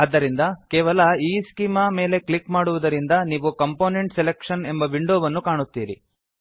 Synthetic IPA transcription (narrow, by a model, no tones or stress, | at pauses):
ɐd̪ːɐɾind̪ɐkeːʋɐlɐiːskimɐme̞ːle̞klikmaːɽuʋɐd̪ɐɾind̪ɐniːʋukɐmpoːneɳʈselekʂɐne̞mbɐʋiɳɖoːʋɐnːukaːɳut̪ːiːɾḭ